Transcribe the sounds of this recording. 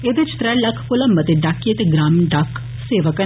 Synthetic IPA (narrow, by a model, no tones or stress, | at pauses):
ed̪ɪt͡ʃt̪ɾɛːlɐkʰkʊləmbət̪eɖaːkːiət̪eɡɾaːmɖak | seːʋəkə